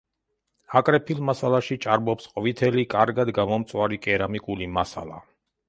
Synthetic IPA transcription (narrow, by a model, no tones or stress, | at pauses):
akʼɾɛpʰilˠmasalˠaʃit͡ʃʼaɾbɔpsqʼvit̪ʰɛlikʼaɾɡad̪ɡamɔmt̪sʼwaɾikʼɛɾamikʼulimasa̰lˠa̰